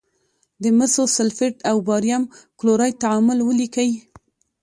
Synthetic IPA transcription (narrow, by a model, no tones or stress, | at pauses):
d̪əməsosɪlfɪʈawbɑɾjamkloɾɑjt̪aamʊlwəlikawi